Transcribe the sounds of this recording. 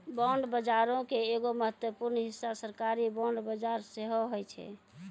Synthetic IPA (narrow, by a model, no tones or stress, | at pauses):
bɔɳɖbəd͡ʒaɾõkeːɡoməɦət̪wəpuɾnɦisːasəɾkaɾibɔɳɖbəd͡ʒaɾseɦoɦojt͡ʃʰɛ̰